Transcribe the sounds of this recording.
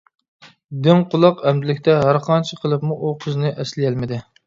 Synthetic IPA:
d̪ɪŋqʰʊlˠɑqɛmd̪ɪlɪkʲt̪ʰɛɦæɾqʰɑnt͡ʃʰɪqʰəlˠɨpmuʔuqʰəznɨʔɛslɪjɛlmɪd̪ɪ

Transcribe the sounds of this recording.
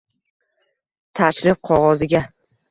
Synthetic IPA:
t̪ʰaʃlɪp̚qʰɒʁɒzɪɡʲa

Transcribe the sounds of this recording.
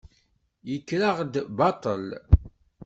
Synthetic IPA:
jəkːɾaʁd̪bɑt̪ˤəl

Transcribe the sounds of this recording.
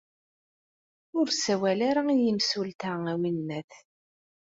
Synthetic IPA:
ʊɾsæwælaɾaijəmsult̪æŋæwinːæθ

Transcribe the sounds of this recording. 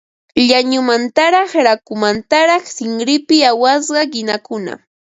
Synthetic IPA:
ʎaɲʊmant̪aɾɑχɾakʊmant̪aɾɑχsɪŋɾɪpɪawas̬ɢɑɢɪnakʊna̰

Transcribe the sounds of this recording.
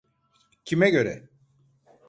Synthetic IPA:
cʰimɛɟø̞ɾɛ̰

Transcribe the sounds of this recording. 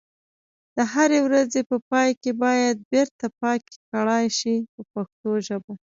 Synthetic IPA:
d̪̥əɦaɾewɾazepəpɑjkebɑjad̪̚beɾt̪apɑke̥kaɽɑjʃipəpaxt̪oʒəbo

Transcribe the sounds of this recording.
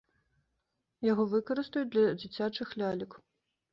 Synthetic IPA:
jaɣɔvɨkɐɾɨst̪ɐjud̪lʲɐd͡zʲit͡sʲat͡ʂɨxlʲalʲik

